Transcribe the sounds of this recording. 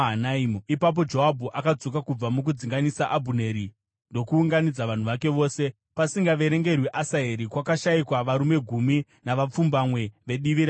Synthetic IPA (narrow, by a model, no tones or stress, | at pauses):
ɦanaimuipap̬o̞d͡ʒo̞ɦabʱuʔakad͡zo̞kakub͡vamuk̬ud͡ziŋɡanisaʔabʱune̞ɾi | ndo̞kuːŋɡanid͡zaʋan̤uʋake̞ʋo̞ːse̞ | pasiŋɡaʋe̞ɾe̞ŋɡe̞rwiʔasaeɾikwakaʃaikwaʋaɾume̞ɡʱumi | naʋap͡fumbamwe̞ʋe̞ɗiʋiɾa